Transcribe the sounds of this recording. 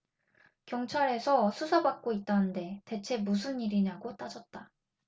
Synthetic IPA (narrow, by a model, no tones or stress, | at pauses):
kjʌŋt͡ɕʰaɾe̞sʰʌsʰusʰabak̚k͈oit̚t͈anɯnde̞te̞t͡ɕʰe̞mus̬ʰɯniɾiɲaɡot͈ad͡ʑʌt̚t͈a